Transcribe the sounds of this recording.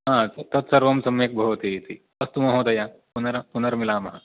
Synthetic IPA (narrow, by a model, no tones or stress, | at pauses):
ɦãt͡sɐt̪ɐt̪sɐɾʋɐmsɐmeːk̚bʱɐɦot̪it̪i | ɐst̪umɐɦoːt̪ɐjãpunɐɾpunɐɾmilaːmɐɦã